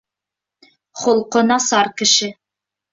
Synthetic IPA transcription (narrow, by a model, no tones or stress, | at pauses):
χŏlˠqŏnɑsɑɾkɘ̆ʃɘ